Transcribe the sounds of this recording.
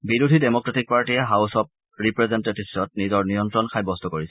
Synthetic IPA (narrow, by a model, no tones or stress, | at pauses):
biɹudʱidemɔkɹatik̚paɹtiɛɦawsɔp̚ | ɹipɹɛzentetissɔtnizɔɹnijɔntɹɔnkʰajbɔstɔkoɹisɛ